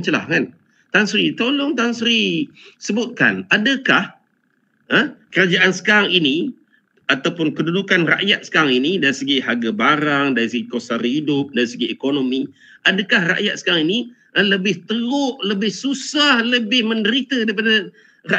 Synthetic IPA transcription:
t͡ʃəla̰hkan | t̪ansɾit̪olʊŋt̪ansəɾisəbʊt̪̚ka̰nadəkah | əkəɾad͡ʒaʔansə̥kaɾaŋini | at̪awpʊnkədudukanra̰ʔjat̪̚sə̥kaɾaŋinidaɾisəɡihaɡabaɾaŋdaɾisəɡikosaɾidʊp̚daɾisəɡiekonomi | ʔadəkahra̰ʔjat̪̚sə̥kaɾaŋini | ələbɪht̪əlʊʔləbɪhsusahləbɪhmə̃ndəɾit̪ədaip̬adə | ra

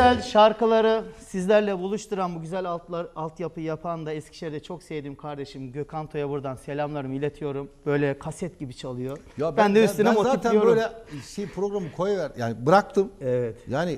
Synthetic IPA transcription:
ælʲʃaɾkalˠaɾɯsizlʲæɾlʲɛbulˠuʃt̪ʰuɾanbuɟyzælʲat̪lˠaɾalˠt̪japʰɯjapʰand̪aɛscʰiʃlʲɛɾd̪ɛt͡ʃʰo̞ksevd̪iːmkʰaɾd̪e̞ʃimɟøkʰant̪ʰo̞jabuɾd̪anse̞lʲamlˠaɾɯmilʲet̪ʰijo̞ɾumbø̞jlʲɛkʰasjɛt̪ɟibit͡ʃʰalˠɯjo̞jabænd̪ɛyst̪inimozaːt̪ʰnijoøɾujlʲɛʃejipʰɾoɡɾamɯkʰojavæɾja̰ːnibɯɾak̚t̪ʰɯmɛvɛt̪jaːni

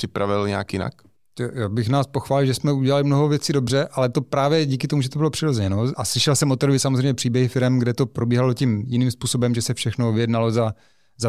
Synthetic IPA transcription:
r̥ɪpɾavɪlɲɛakjɪna̰k | t̪jaːbɪxnaːspoxʋaːlɪlʒɛsmɛuɟɛlalɪmnoɦovjɛt͡siːdo̞brɛʔalɛt̪o̞pɾaːvjɛɟiːkɪt̪omuʒɛt̪obɪlopr̝̥ɪɾozɛɲɛnoʔaslɪʃɛlsɛmot̪oɾovɪsamozrejmɲɛpr̝̥iːbjɛɦɪfɪɾɛmɡdɛt̪o̞pɾo̞biːɦalo̞cimjɪniːmspuːsobɛmʒɛsɛfʃɛxnovɪjɛdnalo̞za | za

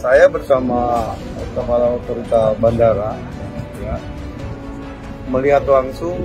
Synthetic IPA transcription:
sajabərsama | kəbalaut̪ɔɾit̪abandaɾa | ja | məliɦat̪laŋsʊŋ

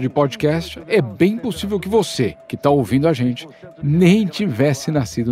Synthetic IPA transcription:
d͡ʒɪpɔd͡ʒɪkɛst͡ʃɪɛbẽj̃posivewkɪvosekɪt̪aowvĩnd̪ʊaʒẽnt͡ʃɪ̥nẽj̃t͡ʃivɛsɪnasid̪ʊ

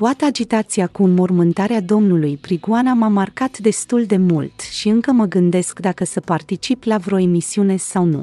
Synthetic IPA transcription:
t̪oat̪əad͡ʒit̪at̪siakuːnmo̞rmɨnt̪aɾead̪o̞mnulujpɾiɡuanamamarkat̪d̪e̞st̪uld̪e̞mult̪ʃiɨŋkəməɡɨnd̪e̞skd̪akəsəpart̪it͡ʃiplavɾo̞e̞misiune̞sawnṵ

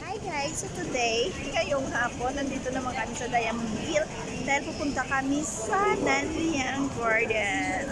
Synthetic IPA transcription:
ʔajɡajsɐt̪ʊd̪ej | kɐjoŋhaːponːɐnd̪iːt̪onɐmɐŋkɐmɪsɐd̪aːjɐmʊɡil | d̪aːhɪlpupʊnt̪ɐkɐmisɐnɐnjaŋkaɹd̪ɛ

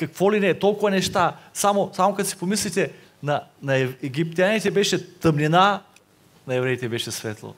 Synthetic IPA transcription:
kɐkvɔlinɛt̪olˠkʊvɐnɛʃt̪asamosamokɐt̪osi̥pomislit̪ɛ | nɐnɐɛɛɡip̚t̪ʲianit̪ɛbɛʃɛt̪ɐmnina | nɐɛvɾɛit̪ɛbɛʃɛsvɛt̪lˠo̰

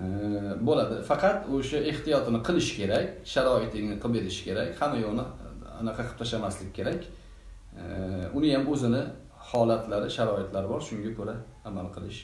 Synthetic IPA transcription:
bolad̪ɪfɑqʰɑt̪oʃae̞ht̪ijɒt̪ɪnɪqʰɨlˠɪʃkʲʰe̞ɾakʲʃaɾɒɪt̪ʰɪnɪqʰɨpe̞ɾɪʃɪ̥kʲe̞ɾakʲhamːajolˠnɪnɑqʰɑqʰɨ̥p̚t̪ʰaʃamaslɪkʲkʰʲːe̞ɾakʲ | ʊnɪjamɵzɪnɪ | hɒlat̪ʰlaɾɪʃaɾɒɪt̪laɾɪbɒɾʃʊŋɡʲakʰɵɾaː | malˠqʰɨlˠɪʃ

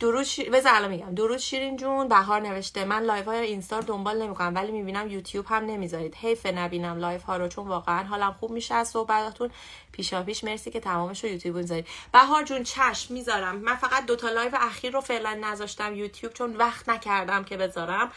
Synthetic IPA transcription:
d̪̥oɾuːd̪̥ʃibezælɒnmiɟæmd̪o̞ɾuːd̪ʃiːɾind͡ʒunbæɦɒːɾne̞ve̞ʃt̪emænlɒːjvhɒːjeinst̪ɒːɾd̪o̞mbɒːlne̞mikʰonæmvælimiːbiːnæmjuːt̪ʰjuːbhæmne̞miːzɒːɾiːd̪̥he̞jfenæbiːnæmlɒːjvhɒːɾot͡ʃʰonvɒːɣeænɦɒːlæmχuːb̥̚miʃeæz̥so̞hbæt̪ʰɒːt̪ʰun | pʰiːʃɒpiːʃme̞ɾsiːcʰʲet̪ʰæmɒːme̞ʃojuːt̪ʰjubmizɒɾid̪̥̚b̥æɦɒːɾd͡ʒunt͡ʃʰæʃmːiːzɒːɾæmːænfæɣæt̪̚d̪o̞t̪ʰɒːlɒːjveʔæxiːɾːofeʔlænːæzɒːʃt̪æmjut̪ʰjuːb̥t͡ʃʰo̞nvæxt̪næcʰæɾd̪æmcʰe̞be̞zɒːɾæm

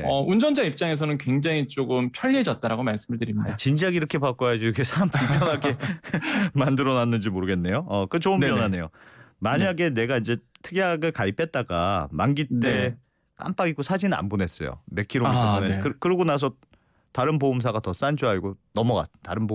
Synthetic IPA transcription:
ʌund͡ʑʌnd͡ʑaip̚t͡ɕ͈aŋe̞s̬ʰʌnɯnkwe̞ŋd͡ʑaŋit͡ɕ͈oɡɯmpʰjʌʎːiɦed͡ʑʌt̚t͈aɾaɡomaɭs͈ɯmɯɭtɯɾimidat͡ɕind͡ʑaɡiɾʌkʰe̞pak͈ojad͡ʑikʰesʰampʰaŋpʰjʌŋaɡe̞ | mandɯɾʌnanːɯnd͡ʑimoɾɯɡe̞nːejoʌkɯt͡ɕoɯmnjʌnane̞jomaɲaɡe̞ne̞ɡaind͡ʑe̞tʰɯɡjaɡɯɭkaipʰe̞t̚t͈aɡa̰manɡit͈e̞ | k͈a̰mp͈aɡiɡosʰad͡ʑina̰mbone̞s͈ʌjo̰me̞kʰiɾondekɯkɯɾɯɡonas̬ʰʌ | taɾɯnboumsʰaɡatʌs͈and͡ʑuaiɡonʌmʌɡa̰taɾɯnbo

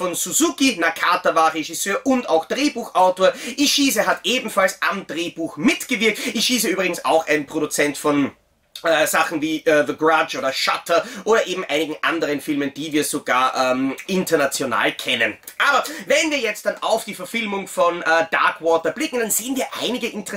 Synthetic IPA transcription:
fɔnsuzukinakʰaːtɐvaːʁeʒɪsøːɐʔʊndaʊxd̥ʁeːbuːxʔaʊtoːɐʔiʃiːzəɦatʔeːbm̩falsʔamdʁeːbuːxmɪtɡ̥əvɪɐk̚tʔiʃiːzəʔyːbʁɪɡŋ̩sa̰ʊxa̰ɪnpʁ̥oɾut͡sɛntfɔn | ʔɛːz̥aχn̩viːʔɛːðəɡʁad͡ʒoːdɐʃatʰɐʔoːɾɐʔeːbm̩ʔaɪnɪɡŋ̩ʔa̰ndəʁənfɪlmənd̥iːviːɐzoɡ̥a̰ːɐʔɛːmʔɪntɐnat͡sjona̰ːlkʰɛnən | ʔaːbɐvɛnviːɐjɛt͡st̚d̥anaʊfd̥iːfɛɐfɪlmʊŋfɔnɛːda̰ɐkwɔːtɐb̥lɪkŋ̩d̥anz̥eːənviːɐʔa̰ɪnɪɡəʔɪntəʁɛ

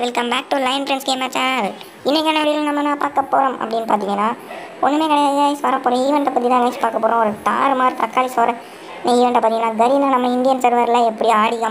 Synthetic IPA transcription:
ʋɪlkɐmbaːk̚ʈulɐɪnpɾɛnskeːmaːt͡ʃːaːnaːl | ɪnːɛkːɐnɐʋɐɽɪjɪlnɐmːɐnãːpaːɾkɐpːoːɾɐmɐ̰pːɐɽɪnːɯpaːɾt̪ɪŋɡɐnːaː | ɔ̰nːɯmeːkɐɽɐjaːjaːjsʋɐɾɐpːoːɾɐ̃iʋɐɳʈɐpːɐt̪̬ːit̪ãːkɐɪt͡ʃːi̥paːɾkɐpːoːɾõːɔɾɯt̪a̰ːɾmaːɾt̪ɾɐkːaːlisɐːɾɐ | nɐiːʋɐɳɖɐpːaɾt̪ɪŋɐnːaːɡɐɾinɐːnɐmːɐɪnd̪ɪjɐnsɐɾʋɐɾlɐɛpːɐɽiaːɽɪɣɐm

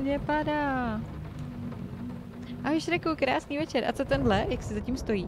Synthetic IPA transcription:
ɲɛpadaː | ʔaɦʊʃɾɛkukɾaːsniːvɛt͡ʃɛɾʔa̰t͡sot̪ɛndlɛjaksɪzacimst̪o̞jiː

